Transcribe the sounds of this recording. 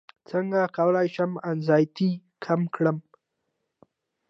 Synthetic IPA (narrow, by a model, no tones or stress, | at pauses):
t͡səŋɡakawəlɑjʃamanzɑjt̪ikʰamkɽəm